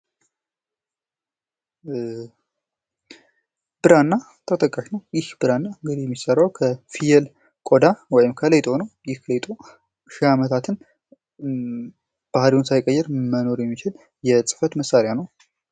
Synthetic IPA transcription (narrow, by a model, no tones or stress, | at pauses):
b̥ɨɾanːa | t̪ʰət̪ʼəkʼːaʃnəwjɪhb̥ɨɾanːaɨŋɡɨd̪ihjɛmːisərːawkʰəfijɛl | kʼo̞d̪awɔjɪmkʰəlet̪ʼo̞nəwjɪhkʰəlet̪ʼo | ʃɪhamət̪ʰat̪ʰɨn | b̥ahɾiwʊnsajkʼəjːɛɾməno̞ɾjɛmːit͡ʃɪl | jɛsʼɨ̥fət̪məsːaɾjanəw